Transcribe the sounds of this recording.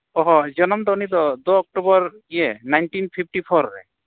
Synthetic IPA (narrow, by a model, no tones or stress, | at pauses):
ɔɦɔd͡ʒɔnɔmd̪ɔunid̪ɔd̪oɔk̚ʈubɔɾ | iɛnajnʈinpʰip̚ʰʈipʰɔɾɾɛ̰